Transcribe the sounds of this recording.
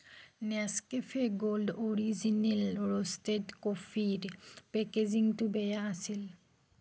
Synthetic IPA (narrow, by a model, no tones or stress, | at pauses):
nɛskefʰeɡoldoɹizinelɹostetkofidpɛkeziŋtubɛjaasil